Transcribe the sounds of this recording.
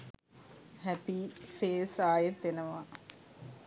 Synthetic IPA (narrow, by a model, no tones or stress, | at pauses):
hæpifeːsaːjet̪enəʋa